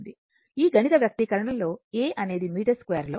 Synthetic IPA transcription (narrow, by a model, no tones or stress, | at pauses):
d̪i | iːɡʱɐɳit̪ɐʋjɐk̚t̪ikɐɾɐɳɐmlo̞ːeːʔɐne̞ːd̪imiːʈɐɾskʋeːɾloː